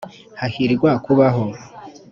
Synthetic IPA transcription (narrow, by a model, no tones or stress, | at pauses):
hahiɾɡwakuβaɦo